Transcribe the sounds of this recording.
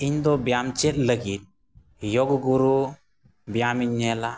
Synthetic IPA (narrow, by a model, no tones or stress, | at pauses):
iɲd̪ɔbjamt͡ʃet̪̚ləɡit̪̚ | joɡɡuɾu | bjamiɲːɛla